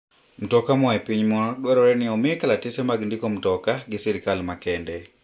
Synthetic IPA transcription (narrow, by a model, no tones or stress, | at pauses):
m̩tɔkamɔɛpiɲmɔɗwɛɾɔɾɛnɪɔmekalatɪsɛmaɡndɪkɔm̩tɔkaɡɪsɛɾikalmakɛndɛ